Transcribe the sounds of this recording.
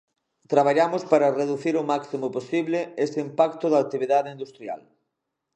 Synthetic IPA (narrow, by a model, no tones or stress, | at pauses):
t̪ɾaβ̞aʎamʊspaɾɐreðuθiɾʊmaksimoposiβlɪest̪ɪimpakt̪ʊðaːk̚t̪iβiðaðeind̪ust̪ɾja̰l